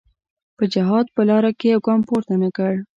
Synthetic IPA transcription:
pəd͡ʒaɦɑd̪̚pəlɑɾakejawɡɑmpoɾt̪anakəɽ

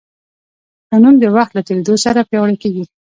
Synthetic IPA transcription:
panumd̪əwaxt̪lat̪eɾed̪osaɾapjawɽakeɡi

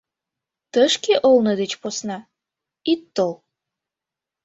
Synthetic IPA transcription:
t̪əʃkeʔolned̪et͡ɕposnɑ | it̪ːol

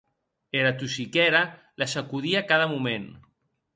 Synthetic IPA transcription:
eɾat̪usikɛɾa | lasakuðiakaðəmumen

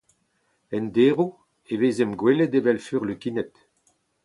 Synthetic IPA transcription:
ɛndeːʁu | eveːzɛmɡweled̪evɛlfyːʁløkinɛt̪

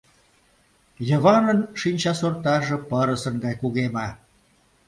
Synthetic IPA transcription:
jə̆βɑnənʃinʲt͡ɕɑsort̪ɑʒĕpəɾəsənɡɑjkuɣemɑ

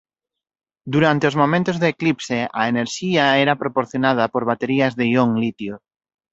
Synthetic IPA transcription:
d̪uɾant̪eozmomẽnt̪ozðeːklipseʔaeneɾʃiaeɾapɾopoɾθjonað̞apoɾβ̞at̪eɾiazðejoŋlit̪jo

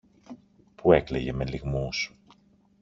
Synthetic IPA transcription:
puekleʝe̞meliɣmus

